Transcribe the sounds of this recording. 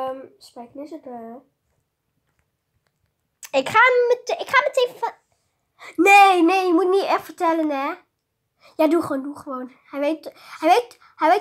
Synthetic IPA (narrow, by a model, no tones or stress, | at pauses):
mspeknisətə | ɪkχaːmətɪkχaːməteːvəf | neneːjəmutniɛtfərtɛlənɛ | jaːduχoːnduχəʋoːn | hɛjʋeːthɛjʋet | hɛjʋeː